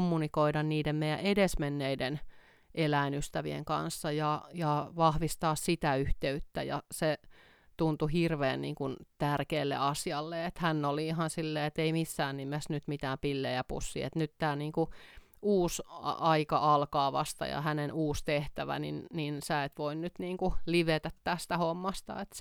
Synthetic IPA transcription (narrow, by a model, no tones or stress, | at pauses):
mːunikoidɑnniːdemmejæ̰ʔedesmenːeiden | ʔelæinyst̪æʋiḛŋkɑ̰nsːɑjɑjɑʋɑhʋist̪ɑːssit̪æyht̪eyt̪ːæjɑ̰se | t̪unt̪uhirʋeːnnḭːŋkunt̪ærkeːlːḛɑsjɑlːeet̪hænːoliihɑnsilːeːet̪eimisːæːnnimesnyt̪mit̪æːmpilːejæpṵsːḭːet̪nyt̪t̪æːniːŋku | uːsɑikɑʔɑlkɑːʋɑst̪ɑ̰jɑ̰hænenuːst̪eht̪æʋæ̰nḭnninsæet̪ʋoinnyt̪niːŋkuliʋet̪æt̪t̪æsst̪æhomːɑst̪ɑ̰et̪s